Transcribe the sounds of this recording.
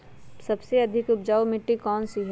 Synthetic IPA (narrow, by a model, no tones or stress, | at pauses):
sɐbseɐd̪ʱɪkʊpd͡ʒaːomɪʈːikɔːnsiɦ